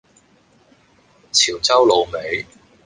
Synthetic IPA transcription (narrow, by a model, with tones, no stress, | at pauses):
t͡sʰiː˨˩wt͡sɐ˥wlo˨wme˨˧j